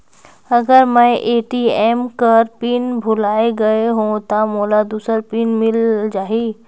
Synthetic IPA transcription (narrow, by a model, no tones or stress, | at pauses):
ɐɡəɾmɛ̃ʔeːʈiɛːmkəɾpiːnbʱʊlaːeɡɐeɦõt̪amoːlad̪uːsəɾpiːnmɪld͡ʒaːɦiː